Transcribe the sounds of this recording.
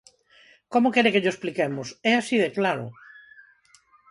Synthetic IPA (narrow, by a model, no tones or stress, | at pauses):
komʊkɛɾekeʎoesplikɛmʊsɛasiðeklaɾʊ̰